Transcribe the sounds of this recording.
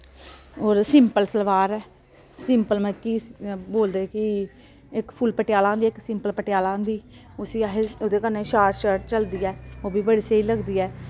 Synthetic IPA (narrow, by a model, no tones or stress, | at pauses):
oːɾsɪmpəlsəlʋaːɾɛː | sɪmpəlməkiːboːld̪eːkɪ | ɪkpʰʊlpəʈɪjaːlãːnd̪iːɪksɪmpəlpəʈɪjaːlãːnd̪iː | ʊsiːaɦeod̪eːkənːeːʃaːɾʃəɾʈt͡ʃəld̪iːɛːoːbiːbəɽiːseːiːləɡd̪iːɛː